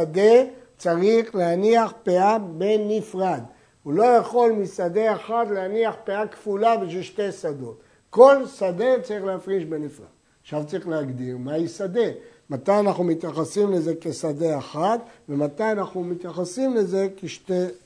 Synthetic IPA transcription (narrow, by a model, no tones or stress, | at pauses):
ad̪e | t͡saʁiχleaniaχpeabe̞nifʁad̪ | ulo̞jeχo̞lmisad̪e̞aχat̪leaniaχpeakfulabiʃvilʃte̞sad̪o̞t̪ | ko̞lsad̪e̞t͡saʁiχleafʁiʃbenifʁa̰d̥̪ | aχʃavt͡saʁiχleaɡd̪iʁmaisad̪e̞mat̪ajanaχnumit̪jaχasimle̞ze̞kesade̞aχat̪ve̞mat̪ajanaχnumit̪jaχasimle̞ze̞keʃt̪e